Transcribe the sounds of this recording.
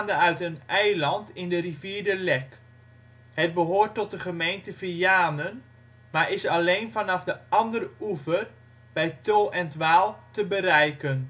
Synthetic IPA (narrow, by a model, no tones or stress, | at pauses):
ndəœɥtənɛjlɑntɪndəriviːrdəlɛk | hət̚bəɦoːrtːɔt̚dəχəmejntəfijaːnən | maɹɪsɑlejnfɑnɑfdəɑndəruvər | b̥ɛjtolˠɛntʋaːlˠtəbəɾɛjkən